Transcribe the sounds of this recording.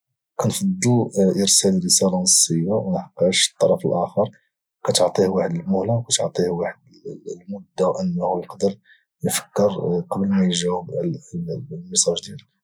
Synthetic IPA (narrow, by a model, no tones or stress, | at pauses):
kænfɑd̪ːuʔəɾsælɾəsælɑnəsˤːəjːawnəħqːæʃt̪ˤːɑɾˤɑfəlʔæxɑɾˤ | kæt̪oʕt̪ˤihwaħəd̪əlmʊhlawkæt̪ʕt̪ˤihwaħəd̪ | lmʊd̪ːawʔənːhlqɑd̪əɾ | jfə̥kːəɾqɑblmæjʒæwəb | məsˤɑʒd̪id̪